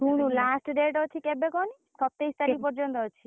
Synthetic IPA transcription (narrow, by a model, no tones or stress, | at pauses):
uɽ̃ulasʈɖeʈɔt͡ʃʰikebekɔni | sɔp̚t̪ejst̪aɾik̚pɔɾd͡ʒɔnt̪ɔɦɔt͡ʃʰi